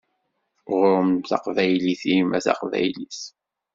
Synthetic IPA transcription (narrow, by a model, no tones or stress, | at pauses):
ʁɾˤəmθɑ̰qvæjliθimæθɑ̰qvæ̰jliθ